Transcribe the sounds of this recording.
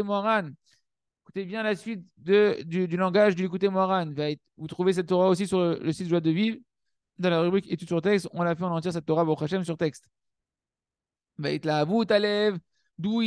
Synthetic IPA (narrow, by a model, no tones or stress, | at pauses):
emɔaʁan | ku̥t̪ebjɛ̃lasɥit̪̚ | d̪əd̪yd̪ylɑ̃ɡaʒd̪əlek̬ut̪emɔaʁanvaɛt̪vut̪χuves̬ɛt̪ːɔʁaosisyʁlələsit̪ʒwad̪əviv | d̪ɑ̃laʁybʁiket̪ysyʁt̪ɛkst̪ɔ̃lafɛɔ̃nɑ̃t̪jiʁs̬ɛt̪ːɔʁaboʁuχaʃɛmsyʁt̪ɛkst̪ | vaɛt̪lavut̪alɛv | d̪ui